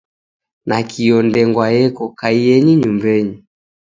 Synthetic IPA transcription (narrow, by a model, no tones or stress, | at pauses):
nakʰiɔndɛŋɡwajɛkɔkaijɛɲiɲumbɛɲi